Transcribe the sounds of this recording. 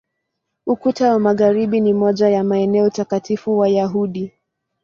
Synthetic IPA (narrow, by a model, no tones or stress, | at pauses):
ukutawamaɣaɾiɓinimɔʄajamaɛnɛɔutakatifuwajaɦuɗi